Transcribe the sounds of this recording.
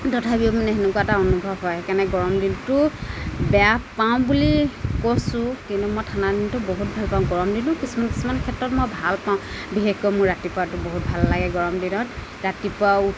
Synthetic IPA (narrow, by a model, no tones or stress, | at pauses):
tɔtʰabiomanɛɦenʊkuataɔnubʱɔbɦɔjɛkanɛɡɔɹɔmdintʊbɛjappaʊ̃bulikosʊ̃kintumɔjtʰanadintʊboɦut̚bʱalpaʊ̃ɡɔɹɔmdinʊ̃kisumanki̥sumankʰɛtɹɔtmɔjbʱalpaʊ̃ | bixekɔjmʊɹɹatipatʊboɦut̚bʱalːaɡɛɡɔɹɔmdinɔt | ɹatipa